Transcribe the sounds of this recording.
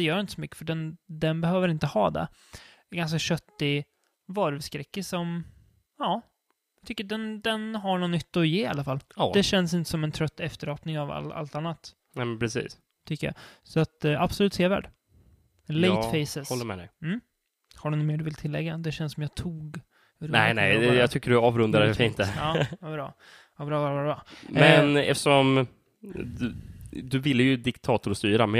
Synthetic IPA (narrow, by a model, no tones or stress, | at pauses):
d̪ɛjœːɾjɪnt̪ə̥sɔmʏkːə̥fœɖɛnd̪ɛnbɛhøːvəɾɪnt̪əhɑːd̪ɛ̰ | ɡanskaɕœt̪ːɪ | vɑɾvskɾɛkːəsɔm | ɑː | jt̪ʰʏkːəɖɛnd̪ɛnɦaɳɔnʏt̪ːɔjeːa̰lːafalːd̪ɛɕɛnːəs̬ɪnt̪ə̥sɔmɛnt̪ʰɾœt̪ːɛft̪əɾɑːpnɪŋava̰la̰lt̪anːat̪ | nɛpʰɾɛsḭːs | t̪ʰʏkːəja̰sɔat̪ab̥sɔlʉ̟ːt̪seːɾvæ̰ːɖ | lɛɪfɛɪsəsɔlːəmɛd̪ɛ̰m̩ː | haɖɵnʊmeːɖɵvɪlt̪ʰɪlːɛ̰ɡːad̪ɛɕɛnsɔmjɑt̪ʰuːɡ | ɾnɛɪnɛjɛjɑt̪ʰʏkːəɖɵɑːvɾɵnd̪aɾfiːnt̪ɛɑːvɑbɾɑː | abɾɑːvɑbvaɾbɾɑːmɛnnɛ̰ft̪ə̥ʂɔm | d̪ɵvɪlːəjɵd̪ɪkt̪ʰɑːt̪ʊɾst̪yːɾamɛn